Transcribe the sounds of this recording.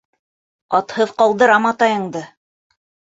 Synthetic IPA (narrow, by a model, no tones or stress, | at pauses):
ɑt̪hɤðqɑlˠd̪ɤ̆ɾɑmɑt̪ɑjɤ̆ɴd̪ɤ